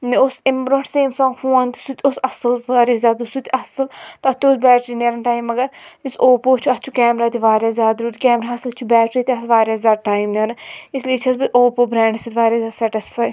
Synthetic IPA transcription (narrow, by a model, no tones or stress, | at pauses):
niosɪmbɾoʈseːmsɔ̃ːŋɡfũːãnt̪isut̪ʲosɐsɐlʋaːɾjaːzʲjaːd̪usut̪ɐsɐlt̪ɐt̪ʰoːsbɛːʈɾinɐɾɐnʈaːjmɐɡɐɾisoːpoːt͡ʃʰuɐt̪ːt͡ʃʰukɛːmɾaːt̪iʋaːɾjaːzjaːd̪ɾuːɾʲkɛːmɾaːɐst͡ʃʰubɛːʈɾiːt̪ʲɐt̪ʰʋaːɾʲjaːzʲaːd̪̚ʈaːimnɐɾɐ̃ɪslit͡ʃʰɐsbiʔoːpoːbɾɛ̃ːɳɖsut̪ʋaːɾjaːzʲaːd̪sɛʈɪspʰaːj